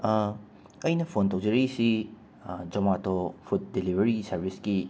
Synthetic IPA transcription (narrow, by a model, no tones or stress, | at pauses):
ɐjnɐpʰontowd͡ʒɐɾɐɡisi | d͡ʒɐmatʰopʰut̚dilibʱɐɾiɡisɐɾbʱisɡi